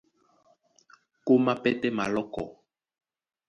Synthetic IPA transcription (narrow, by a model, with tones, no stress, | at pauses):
ko˦ma˦pɛ˦tɛ˦ma̰˨lɔ˦kɔ̰˨